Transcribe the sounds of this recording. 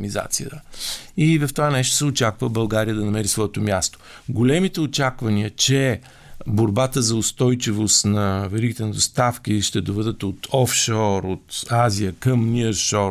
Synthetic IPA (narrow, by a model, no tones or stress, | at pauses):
niza̰t̪sijə̰t̪əivɐft̪ovanɛʃt̪o̥sɛʊt͡ʃakvəbɐlˠɡaɾijəd̪ɐnɐmɛɾisvɔɛt̪omʲjast̪o̥ | ɡolɛmit̪ɛot͡ʃakvɐniət͡ʃɛ | boɾbat̪əzɐost̪ɔjt͡ʃivost̪nɐvɛɾiɡ̟it̪ɛnɐd̪ost̪afkʲiʃt̪ɛd̪ovɛd̪ət̪ot̪ʰɔfʃɔɾot̪azijəkəmnʲiəɾʃɔ